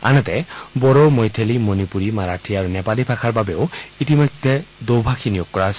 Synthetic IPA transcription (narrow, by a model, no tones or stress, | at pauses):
a̰nɛt̪ɛbɔɹomojt̪ʰelimonipuɹimaɹatʰiaɹunɛpalipʰakʰaɹbabɛoitimɔjd̪ʱɛd̪owbʱakʰinijoɡ̚kːɔɹaɦɔjs